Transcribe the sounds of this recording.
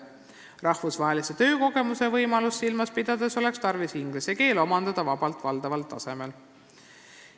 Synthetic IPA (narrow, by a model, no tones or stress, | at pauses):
rɑhfusvɑɦe̞lise̞t̪ø̞ːko̞ɡe̞musevɤ̞jmɑlusːilmɑspid̪̥ɑd̪̥e̞so̞le̞kst̪ɑrvisiŋɡ̥lise̞ke̞ːlo̞mɑnd̪ɑd̪̥ɑvɑbɑlt̪vɑld̪ɑvɑlt̪ːˑɑ̰se̞me̞l